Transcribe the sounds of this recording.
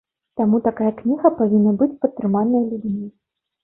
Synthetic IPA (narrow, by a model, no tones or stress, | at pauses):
t̪amut̪akajɐknʲiɣɐpavʲinːɐbɨt͡sʲpɐt̪ːɾɨmanːɐjɐlʲud͡zʲmʲi